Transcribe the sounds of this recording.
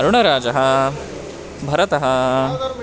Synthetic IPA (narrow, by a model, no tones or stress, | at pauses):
ɐɾuɳ̃ɐɾaːd͡ʒɐɦɐ | bʱɐɾɐt̪ɐɦɐ